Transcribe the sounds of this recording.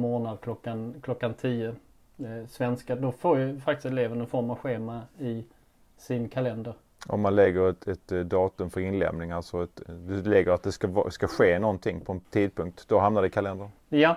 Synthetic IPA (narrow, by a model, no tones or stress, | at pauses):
moːnad̪̚kʰlɔkːankʰlɔkːant̪ʰiːə | svɛnskad̪ɔfoːɾjəfakt̪ɪst̪ɛleːvənɛnfɔɾmavɧeːmaɪ | sɪnkʰalɛnd̪əɾ | ʔɔ̰mːanlɛɡːəɾɛt̪ɛt̪d̪ɑːt̪ɵmfœɾɪnlɛ̰mnɪŋalsɔɛt̪d̪ɛlɛɡːəɾat̪̚d̪ɛskav̰skaɧeːnɔnt̪ʰɪŋːpʰɔɛnt̪ʰiːd̪̚pʰɵŋk̚t̪d̪̥ɔɦamnaɖɛkʰalɛnd̪əɾ | ja